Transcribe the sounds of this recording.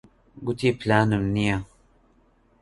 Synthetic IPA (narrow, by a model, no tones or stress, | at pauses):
ɡut̪ʰiːplaːnɨmnija